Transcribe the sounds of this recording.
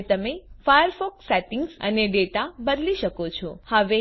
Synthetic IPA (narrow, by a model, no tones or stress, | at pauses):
t̪əmefajəɾfɔksɛʈɪŋɡsə̰neɖeʈabəd̪liʃəkot͡ʃʰohəʋe